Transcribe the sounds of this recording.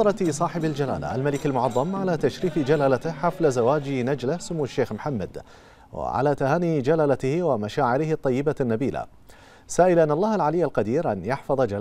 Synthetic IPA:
ɑɾˤɑt̪sˤɑːħɪbald͡ʒala̰ːla̰ʔa̰lmalɪkalmʊʕɑðˤːɑmʕalat̪aʃɾiːfid͡ʒalaːlat̪ɪhħaflazawaːd͡ʒɪnad͡ʒlɪhsʊmuːʃːeːxmħamːa̰d̪ | wɪ̰ʕa̰lat̪ahaːnid͡ʒalaːlat̪ɪhwɪmaʃaːʕɪɾɪhɪt̪ˤːɑjːɪbanːabiːla̰ | saːʔɪlʔanːɑlˤːɑːhalʕalɪjːalqɑd̪iːɾʔanjɑħfɑðˤɑd͡ʒal

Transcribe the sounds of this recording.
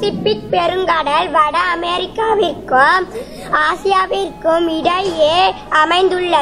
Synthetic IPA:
sɪpːɪk̚pɛɾɯŋɡɐɽɐlʋɐɽɐɐmɛɾɪkːaːʋɪrkːɯ | aːsɪjaːʋɪrkːɯmɪɽɐjjeːɐmɐɪnd̪ɯɭːɐ

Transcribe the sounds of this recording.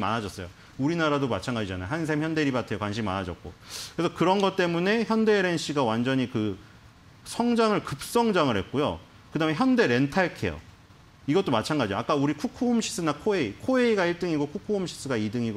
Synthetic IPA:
ma̰nad͡ʑʌs͈ʌjo | uɾinaɾadomat͡ɕʰanɡad͡ʑid͡ʑanajoɦans̬ʰemçjʌnde̞ɾibatʰe̞jokwanɕʰimimanad͡ʑʌk̚k͈o̰kɾesʰʌkɯɾʌnɡʌt͈̚e̞mune̞çjʌnde̞ɾe̞nɕ͈iɡawand͡ʑʌɲikɯ | sʰʌŋd͡ʑaŋɯɭkɯp̚s͈ʌŋd͡ʑaŋɯɭhet̚k͈ojo̰ | kɯdaːme̞çjʌnde̞ɾe̞ntʰaɭkʰe̞̰jo̰ | iɡʌt͈omat͡ɕʰanɡad͡ʑioak͈auɾikʰukʰoumɕʰi̥s͈ɯnakʰoe̞ikʰoe̞iɡaiɭt͈ɯŋiɡokʰukʰoumɕʰi̥s͈ɯɡaidɯŋiɡo

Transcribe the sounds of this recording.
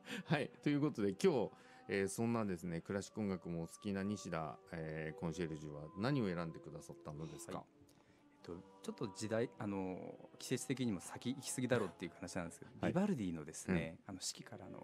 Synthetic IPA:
hait̪o̞jɯ̟ːko̞t̪o̞d̪e̞kʲo̞ː | eːsõ̞nːad̪e̞sɨne̞kɯ̟ɾaɕi̥kːɯ̟õ̞ŋɡakɯ̟mo̞sɨ̥kʲinaɲ̟iɕid̪a̰eːkõɰ̃ɕe̞ɾɯ̟ʑɨβanaɲ̟io̞e̞ɾãnd̪e̞kɯ̟d̪asat̪ːano̞d̪e̞sɨ̥ka̰ | et̪ːo̞ | t͡ɕo̞t̪ːo̞d͡ʑid̪aiano̞kʲi̥se̞t͡sɨ̥t̪e̞k̬ʲiɲ̟imo̞sakʲiːkʲi̥sɨɡʲid̪aɾo̞ːt̪ːe̞iɯ̟hanaɕinãnd̪esɨked̪obʲibaɾɯ̟d̪ʲiːno̞d̪e̞sɨne̞ano̞ɕi̥kʲi̥kaɾa̰no̞̰

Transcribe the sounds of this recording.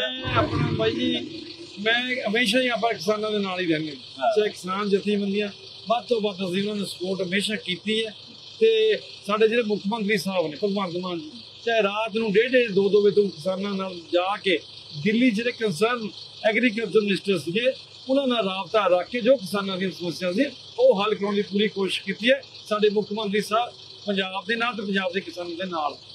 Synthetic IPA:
ɛ̃ːbaːid͡ʒiː | mɛ̃ːɦəmeːʃ̬aːiːaːp̬ãːkɪsaːnãːd̪eːnaːliːɾɛːnẽː | t͡ʃaːekɪsaːnd͡ʒɪt̪ʰːĩːbənd̪ijãː | bəd̪t̪õːbapəd̪iːʊnãːnẽːsəpoːʈɦəmeːʃaːkiːt̪iːɛː | t̪eː | saːɖeːd͡ʒeːɽeːmʊkʰːmə̃nt̪ɾiːsaːbneːpəɾmãːd̪mãːi | t͡ʃaːeːɾaːt̪nũːɖeːɖeːed̪oːd̪oːʋeːt̪oũːkɪsaːnãːnaːld͡ʒaːkeː | d̪ɪlːiːd͡ʒeːɾeːkənsəɾn | ɛːɡɾiːk̬əlt͡ʃəɾmɪnɪsʈəɾsd͡ʒeː | ʊnãːnaːlɾaːbt̪aːɾəkʰːeːd͡ʒoːk̬ɪsaːnãːd̪ĩsəməsjãːd̪i | oːɦəlkəɾoːnd̪iːpuːɾiːkoːʃɪʃkiːt̪iːɛː | saːɖeːmʊkʰmə̃nt̪ɾiːsaːb | pəɲd͡ʒaːb̚d̪eːnaːlt̪̬eːp̬əɲd͡ʒaːbd̪eːkɪsaːnãːd̪eːnaːl

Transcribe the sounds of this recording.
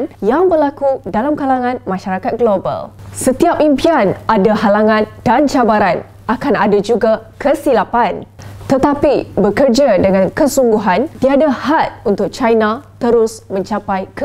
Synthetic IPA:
njaŋbərlakudalamkalaŋãnmãʃaɾakat̪̚ɡloba̰lsət̪iap̚impianadahalaŋãndant͡ʃabaɾan | akanadad͡ʒuɡakəsilapant̪ət̪apibəkərd͡ʒadəŋãnkəsuŋɡuɦant̪iadahat̪̚unt̪ʊk̚t͡ʃajnãt̪əɾʊsmə̃ɲt͡ʃapajkə

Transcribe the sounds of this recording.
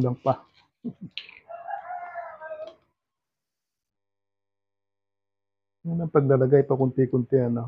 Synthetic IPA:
lɐŋpa | jʊnɐŋpɐɡ̚lɐlɐɡajt̪okʊnt̪ɪkʊnt̪ɪɐno

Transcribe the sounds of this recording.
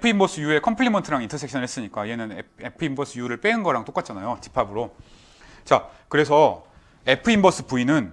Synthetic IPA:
epʰɯimbʌsʰɯjue̞kʰʌmpʰɯɭːimʌntʰɯɾaŋintʰʌsʰekɕʰʌnɯɭhɦes͈ɯɲik͈aienɯnee̞pʰɯimbʌsʰɯjuɾɯɭp͈e̞ɯnɡʌɾaŋt͈ok͈at̚t͡ɕ͈anajot͡ɕi̥pʰabɯɾo | t͡ɕakɯɾe̞sʰʌ | e̞pʰɯimbʌs͈ʰɯ̥puinɯn

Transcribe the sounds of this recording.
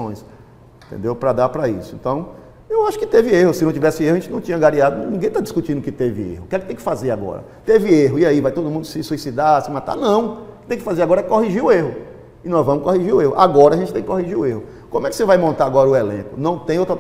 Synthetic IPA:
õj̃s | ẽt̪ḛ̃nd̪ewpɾɐd̪apɾɐḭsʊḛ̃nt̪ɐ̃w̃ | ewaʃʊ̥kɪt̪evɪeɦʊsɪnɐ̃w̃t͡ʃivɛsɪehʊɐẽt͡ʃɪnɐ̃w̃t͡ʃĩɲɐɡaɾiad̪ʊnĩŋɡẽj̃t̪add͡ʒiskut͡ʃĩd̪ʊkɪt̪evɪḛhʊkɛkɪt̪ẽkɪ̥fazeɾaɡɔ̰ɾɐ̰t̪evɪeɦʊiaivajt̪od̪ʊmũnd̪ʊsɪsuisid̪asɪmat̪a̰nɐ̃w̃kɪ̥t̪ẽj̃kɪfazeɾaɡɔɾɐɛkkoɦiʒiʊeɦʊ | ɪnɔ̃zvɐ̃mʊskoɦiʒiɾʊeɦʊʔa̰ɡɔɾɐaɐʒẽtt͡ʃɪt̪ẽkɪkoɦiʒiɾʊeɦʊ | kõmʊɛkɪ̥sevajmõnt̪aɾaɡɔɾɐʊɛlḛ̃kʊnɐ̃w̃t̪ẽj̃owt̪ɾɐ

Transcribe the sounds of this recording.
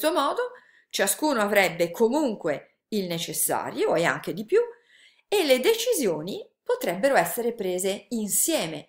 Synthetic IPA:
t̪omɔːd̪o | t͡ʃaskuːnoavɾɛbːekʰomuŋkwe | ilnet͡ʃesːa̰ːɾjoea̰ŋk̟ed̪ipju | eled̪et͡ʃizjoːni | pot̪ɾɛbːeɾoɛsːeɾepɾeːzeinsjɛːme

